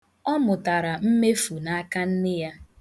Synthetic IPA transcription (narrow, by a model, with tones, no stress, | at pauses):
ɔ˦mʊ˨ta˨ɾa˨m̩˦me˦fu˨na˦a˦ka˦n̩˦nɪ˦ja˦